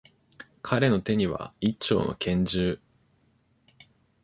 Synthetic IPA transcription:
kʰaɾe̞no̞t̪e̞ɲ̟iβa̰it͡ɕːo̞̰ːno̞̰kʰẽ̞ɲ̟d͡ʑɨː

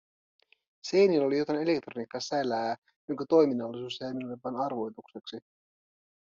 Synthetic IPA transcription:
sejnilo̞lijo̞t̪ɑne̞le̞k̚t̪ro̞nikːɑsælæː | joŋkæt̪o̞jminɑlːisuːsejminolːipɑnɑrʋo̞jt̪ukseksi

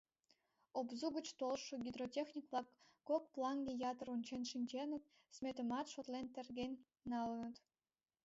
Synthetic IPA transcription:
obzuɣə̆t͡ɕt̪olʃŏɡʲid̪rotʲexnʲikʋlˠɑkː | ok̚plˠɑŋd̪ʲejɑt̪ərunʲt͡ɕenʃinʲd͡ʑenə̆t̪̚ | smʲet̪ə̆mɑt̪ʃot̪lent̪ĕrɡʲenʲː | ɑlə̆nə̆t̪

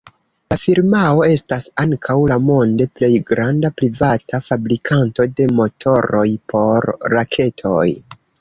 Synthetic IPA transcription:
lafiɾmao̞e̞stasaŋkʰawlamo̞nde̞ple̞jɡɾandapɾivatʰafabɾikʰanto̞de̞mo̞tʰo̞ɾo̞jpʰo̞ɾːakʰe̞tʰo̞j

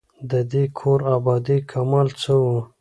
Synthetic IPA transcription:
d̪əd̪ekʰoɾabɑd̪ikʰamɑlt͡səwu

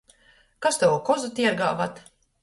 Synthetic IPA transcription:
kast̪ɛwukɔzut̪iɛɡaːvat̪

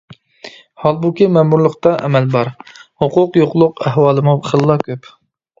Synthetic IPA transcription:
hɑlˠbukʲimɛmuɾlˠəχt̪ɑʔɛ̰mɛlbɑɾhoqʊqjoqlˠʊqæɦwɑːlˠɨmubχəlˠːɑkʲʰøp

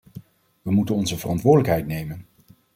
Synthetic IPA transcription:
ʋəmutənɔnzəvərɑntʋʊːdələkɦɛjtnejmən

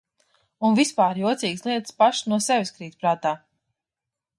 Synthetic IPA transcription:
unvispaːɾjuɔt̪sʲiːɡslˠiɛt̪spaʃsnuɔsɛvʲskɾiːt̪ʲpɾaːt̪aː

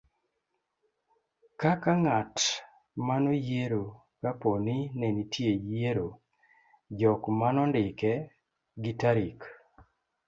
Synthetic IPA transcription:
kakaŋat | manojeɾo | kaponinenitʰjejeɾo | d͡ʒɔkmanɔndɪkɛ | ɡitaɾik

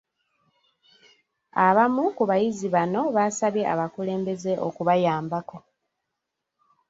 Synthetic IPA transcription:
aβamukuβajiziβano̞βasaβjeʔa̰βakule̞ːmbe̞ze̞ʔo̰kuβajaːmbako̞

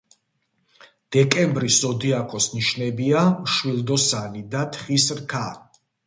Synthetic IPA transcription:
d̪̥ɛkʼɛmbɾisɔd̪iakʰɔsniʃnɛbiamʃwilˠd̪ɔsanid̪at̪ʰχisɾkʰa

